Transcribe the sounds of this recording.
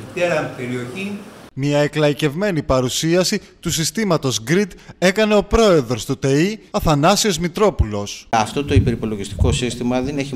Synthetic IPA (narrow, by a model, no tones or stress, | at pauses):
it̪eɾɐmpeɾio̞çimiɐeklɐice̞vme̞nipɐɾusiɐsi | t̪usist̪imɐt̪o̞zɡɾid̪e̞kɐne̞o̞pɾo̞e̞ðɾo̞st̪ut̪eiɐθɐnɐsio̞zmit̪ɾo̞pulo̞sɐft̪o̞t̪o̞ipe̞ɾipo̞loʝist̪i̥ko̞sist̪imɐðeneçi